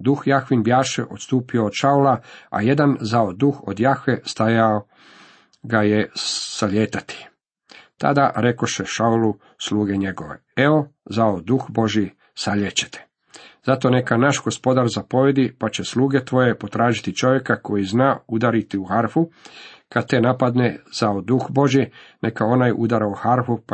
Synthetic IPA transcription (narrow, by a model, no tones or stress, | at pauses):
d̪uxjaxʋinbjaːʃeʔo̞t̪st̪uːpio̞ːd̪ʃaulaa̰je̞d̪anzaod̪uxo̰d̪jaxʋest̪ajao | ɡajesaʎeːt̪at̪i̥ | t̪a̰d̪aɾe̞ko̞ʃeʃaulu | slˠuːɡe̞ɲe̞ɡo̞ʋḛ | eo̞zaod̪uxbo̞ʒji | saʎet͡ɕe̥t̪ʰe̥ | zat̪o̞ne̞kanaʃɡo̞spo̞d̪aɾzapo̞ʋjed̪ipat͡ɕe̞sluːɡe̞t̪ʋo̞je̞po̞t̪ɾaːʒit̪it͡ʃo̞ʋje̞kako̞jiznaːud̪aɾit̪iuxaɾfukad̪̚t̪enapad̪nez̥aod̪uxbo̞ʒjinekao̞najʔṵd̪aɾauxaɾfup